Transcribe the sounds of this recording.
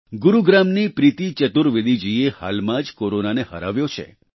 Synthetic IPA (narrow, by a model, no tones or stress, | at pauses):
ɡuɾuɡɾamnipɾit̪it͡ʃət̪uɾʋid̪id͡ʒieha̰lmãd͡ʒkoɾonaneɦə̰ɾa̰ʋjot͡ʃʰḛ